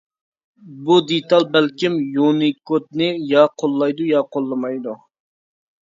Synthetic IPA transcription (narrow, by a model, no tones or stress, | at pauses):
bud̪et̪ɑlˠbælkʲimjunikot̪̚nɪjɑqʰolˠːɑjd̪ujɑqʰolˠːɨmɑjd̪u